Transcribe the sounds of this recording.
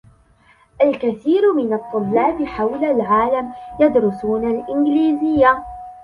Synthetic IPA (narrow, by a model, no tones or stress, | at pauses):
ʔalkaθiːɾmɪnɑt̪ˤːʊlːaːbɪħawlalʕaːlamjad̪ɾʊsuːnalʔɪnɡliːzɪjːa